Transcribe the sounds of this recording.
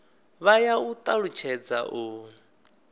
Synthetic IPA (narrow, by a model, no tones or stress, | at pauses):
βajaut̪ʼaɺut͡ʃʰɛd͡za̰ʔu